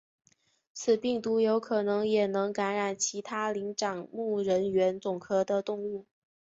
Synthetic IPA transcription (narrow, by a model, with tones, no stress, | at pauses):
t͡sʰɹ̩˨˩pi˥˩ŋt̪u˧˥jo˧˥ʊkʰɤ˨˩nɤ˧˥ŋjɛ˨˩nɤ˧˥ŋka˧˥nɻa˨˩nt͡ɕʰi˧˥t̪ʰa˥li˧˥ŋʈ͡ʂɑ˨˩ŋmu˥˩ɻə˧˥nɥɛ˧˥nt͡sʊ˨˩ŋkʰɤ˥d̪ə˨t̪ʊ˥˧ŋu˥˩